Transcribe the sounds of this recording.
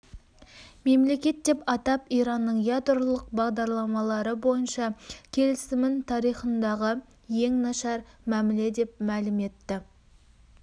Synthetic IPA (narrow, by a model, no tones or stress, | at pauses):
me̞mle̞kʲe̞t̪ːe̞pɑt̪ɑpijɾɑnːəɴjɑd̪ɾlˠəq̚bɑʁd̪ɑɾlˠɑmɑlˠɑɾəbo̞jənʃɑkʲʰe̞lɪsɪmɪnt̪ʰɑɾijχənd̪ɑʁə | je̞ŋnɑʃɑɾmæmɪle̞d̪e̞p̚mælɪme̞t̪ːɪ